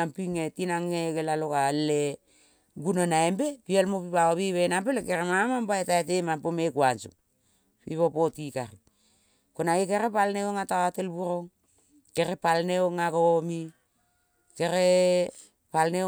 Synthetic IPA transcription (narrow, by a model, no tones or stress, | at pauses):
ampiŋetinaŋːekelalokalːe | ɡunonaembepialmopipaoβiβenampelekeɾemamambaetaet̬emampomekwanso̰ | pḭpopotikaɾi | konaekeɾepalneoŋatawatelbuɾoŋ | ke̞ɾepalneoŋakomi | keɾe | palne